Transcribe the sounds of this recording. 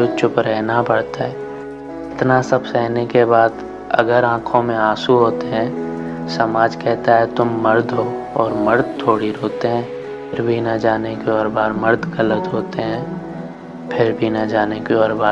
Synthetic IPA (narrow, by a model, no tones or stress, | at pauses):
ʊt͡ʃʊpɾɛɦnapɐɽt̪aɦɛː | ɪt̪nasɐbsɛɦnekebaːd̪ | ɐ̰ɡəɾãːkʰõmẽaːsuɦoːt̪eɦɛ̃ːsɐmaːd͡ʒkɛɦt̪aɦɛt̪ʊmːɐɾd̪ʱɦoː | ɔːɾməɾd̪̚t̪ʰoːɽiɾoːt̪eɦɛ̃ː | pʰɪɾbʱinɐd͡ʒaːnekeɔːɾbaːɾməɾd̪ɡələt̪ɦoːt̪eɦɛ̃ː | pʰɪɾbʱinɐd͡ʒaːnekeɔːɾbaː